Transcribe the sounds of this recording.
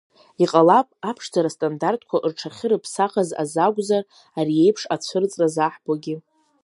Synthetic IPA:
iqʼalapʼapʰʂd͡zaɾastʼandartʼʰkʷʰaʔɨrʈ͡ʂʰaχʲɪɾɨpʰsaχaza̰zaɡʷʼzar | aɾie̞jpʰʂat͡sʷʰɨrt͡sʼrazaħb̥oɡʲɪ

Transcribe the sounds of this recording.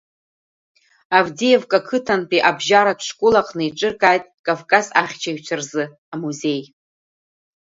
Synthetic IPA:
avdijevkʼakʰɨtʰanpʰʼiʔabʒaɾatʰʂkʷʼʊlaqʼnɨiʈ͡ʂʼɨrkʼajtʼkʼavkʼasaχʲt͡ʃʰaɥt͡ʃʷʰarzɨ | amuze̞j

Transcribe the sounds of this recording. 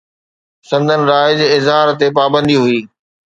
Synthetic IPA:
sɐ̃nd̪ʱənɪ̆ɾaːɪzɪzɦaːɾt̪epaːbə̃nd̪iɦʊiː

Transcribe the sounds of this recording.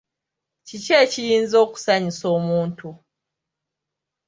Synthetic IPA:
t͡ʃit͡ʃet͡ʃijinzoku̥saɲisomuntʰu

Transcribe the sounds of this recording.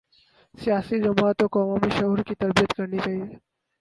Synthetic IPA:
sjasid͡ʒɐmat̪okɔːmomeʃɐɦuɾkit̪ɐɾbijət̪kɐɾnit͡ʃaːɦi

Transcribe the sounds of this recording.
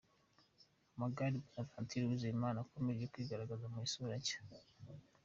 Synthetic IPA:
amaɡaɾibunavantʰiɾiwuzimaːnakomeɾijokwiɡaɾaɡazamuisuɾacḁ

